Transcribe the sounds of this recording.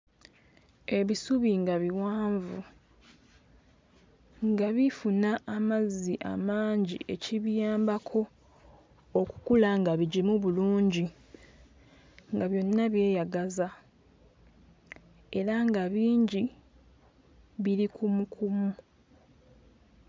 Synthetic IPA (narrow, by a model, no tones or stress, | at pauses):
e̞βisuβiŋɡaβiwaːɱvu | ŋɡaβifunaʔːmaziʔa̰maːɲɟḭʔe̞ciβjaːmbakʰo̞ | ku̥kulaŋɡaβiɟimuβuluːɲɟi | ŋɡaβjo̞nːaβje̞ːjaɡaza | e̞ɾaŋɡaβiːɲɟi | βiɾikumukʰumu